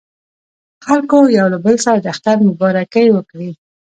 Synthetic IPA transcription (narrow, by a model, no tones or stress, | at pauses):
xalkojawlabəlsaɾad̪əaxt̪aɾmʊbɑɾakəjwəkɽi